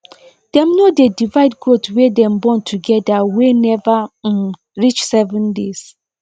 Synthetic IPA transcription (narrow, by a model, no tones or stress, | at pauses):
d̥ɛ̃mnodedivaɪdɡɹotwedɛ̃mbɔ̃ntʰuɡɛdawenɛva | ɹit͡ʃsɛvɛ̃ndes